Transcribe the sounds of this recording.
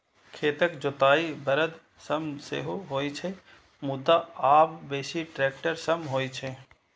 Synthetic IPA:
kʰeːt̪əkd͡ʒot̪aːibəɾəd̪ | səmsḛɦoɦoːit͡ʃʰɛ | mʊd̪ːaaːbbeːsiʈɾeːkʈəɾsəmɦoːt͡ʃʰe

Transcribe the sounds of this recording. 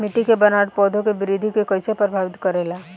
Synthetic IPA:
mɪʈikebɐnaːʈ̚pɔːd̪ʱõkebɪɾid̪ʱikekəjsepɾɾbʱaːʋɪt̪kɐɾeːlaː

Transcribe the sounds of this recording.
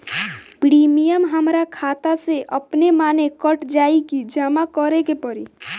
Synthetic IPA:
pɾiːmijəmɦəmɾakʰaːt̪aseʔəpnemaːnekəʈd͡ʒaːikid͡ʒəmakɔɾekepəɾi

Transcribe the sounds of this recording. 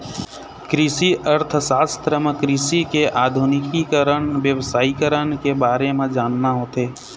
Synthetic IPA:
kɾisiʔəɾt̪ʰsaːst̪ʰɾəmekɾɪsikeʔaːd̪ʱunɪkikəɾənʋjəwsaːikəɾənkebaːɾemẽd͡ʒaːnːaɦoːt̪eː

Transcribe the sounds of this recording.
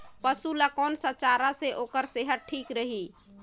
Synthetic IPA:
pəsulakɔnsət͡ʃaɾaseʔokəɾseɦəʈ̚ʈʰikɾəɦi

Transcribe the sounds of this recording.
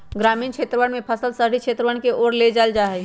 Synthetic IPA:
ɡɾaːmiːnkt͡ʃʰet̪ɾəʋəɳmẽpʰəsəlsəɦɽikt͡ʃʰeːt̪ɾəʋəɳkeʔoɾled͡ʒald͡ʒaɦɛ

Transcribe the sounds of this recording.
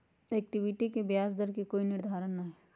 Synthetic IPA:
ɛːk̚ʈɪʋɪʈikebjaːsd̪əɾkekoːinɪɾd̪ʱaːɾənːaɦeː

